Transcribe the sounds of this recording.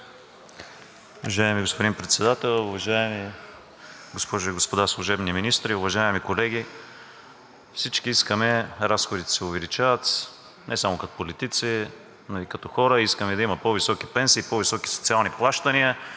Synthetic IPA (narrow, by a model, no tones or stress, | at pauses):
ʊvɐʒaɛmiɡospod̪inpɾɛt̪sɛd̪at̪ɛlˠʊvɐʒaɛmi | ɡospɔʒʊiɡospod̪aslˠʊʒɛbniminist̪ɾiʊvɐʒaɛmikolɛɡ̟ʲi | fsit͡ʃkiiskəmɛɾasxod̪it̪ɛ̥sɛʊvɛlit͡ʃavət̪ | nɛsamokɐt̪o̥polit̪it̪si | noikɐt̪ɔxɔɾəiskəmɛd̪ɐimɐpɔvisɔkipɛnsiːpɔvisɔki̥so̥t̪sialˠniplˠaʃt̪əniə